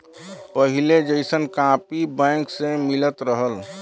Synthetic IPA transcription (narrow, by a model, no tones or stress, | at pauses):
pəɦiled͡ʒəɪsənkãpibɛ̃ŋksemɪlət̪ɾəɦəl